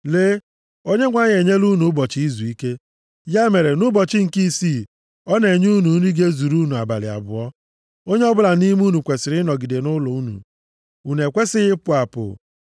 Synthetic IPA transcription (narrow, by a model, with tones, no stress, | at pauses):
le˦ | o˦ɲe˦ŋʷa˦ɲ˦e˨ɲe˦lu˦nu˨˦bɔ˨t͡ʃɪ˦i˦zu˨i˦ke˦ | ja˦me˨ɾe˨nʊ˦bɔ˨t͡ʃɪ˦ŋ̩˨ki˦si˦˨ | ɔ˦ne˨ɲ˦u˦nu˨˦ni˦ɡe˦zu˨ɾu˦nu˨a˨ba̰˨lɪ̰˨a̰˨bʊ̰˨ɔ˦ | o˦ɲe˦ɔ˦bʊ˦la˨ni˦m˦u˦nu˨kʷe˨sɪ˨ɾɪ˦nɔ˨ɡi˨de˨nʊ˦lɔ˨u˦nṵ˨ | u˨ne˨kʷe˦sɪ˦ɣɪ˦pʊ˦˨a˨pʊ̰˨